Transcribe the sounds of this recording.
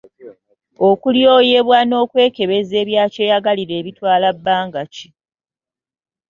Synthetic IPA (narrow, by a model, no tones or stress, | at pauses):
o̞kuljo̞ːjeβwano̞ːkwe̞ːke̞βe̞ze̞ːβjaːceːjaɡaliɾe̞ːβitwaːlabːaːŋɡaci̥